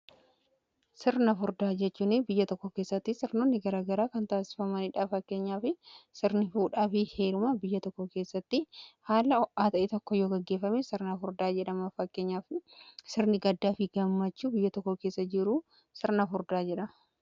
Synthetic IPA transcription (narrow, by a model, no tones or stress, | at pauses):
sɪɾnɐfʊɾd̪aːd͡ʒɛt͡ʃːuːnɪbɪjːɐt̪ɔkːɔke̞ːsːɐt̪ːɪsɪɾnonːɪɡɐɾaːɡɐɾaːkɐnt̪aːsɪ̥fɐmɐnɪᶑaːfɐkːe̞ːɲːaːfɪsɪɾnɪfuːᶑaːfɪhe̞ːɾʊmabɪjːɐt̪ɔkːɔkeːsːɐt̪ːɪhaːlɐɔʔaːt̪ɐʔeːt̪ɔkːɔjoːɡɛɡːeːfːɐmesɪɾnɐfʊɾd̪aːd͡ʒɛᶑɐmɐfɐkːe̞ːɲːaːfsɪɾnɪɡɐd̪ːaːfɪɡɐmːɐt͡ʃːuːbɪjːɐt̪ɔkːɔke̞ːsːɐd͡ʒɪɾuː | sɪɾnɐfʊɾd̪aːd͡ʒɛᶑɐ